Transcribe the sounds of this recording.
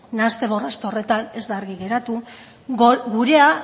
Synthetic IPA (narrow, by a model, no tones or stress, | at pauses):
nast̪e̞βo̞rastpore̞t̪ane̞zd̪aeɾɣiɣe̞ɾat̪u | ɡuɾe̞a